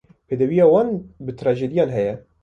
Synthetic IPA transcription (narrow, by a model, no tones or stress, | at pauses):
pʰeːd̪ɛwijɑːwɑːnbɨt̪ʰɾɑːʒeːd̪ijɑːnɦɛjɛ